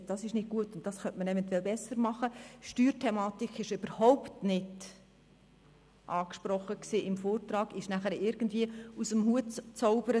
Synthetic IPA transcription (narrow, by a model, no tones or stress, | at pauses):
d̥ɑsɪʃnɪd̚ɡ̥uətʊnt̚d̥ɑsχœntməɾɛvɛnt̪wɛlbɛsəɾmɑχəʃtyːɾtʰɛmɑːtikʰɪʃøb̥əɾhɔʊptnɪd | ʔɑːkʃpɾɔχːəksiːʔɪmfoːrtɾɑːɡ̥ɪʃnæχəɾɪɾɡ̥əndviːəusəmhuətt͡sɔʊbəɾə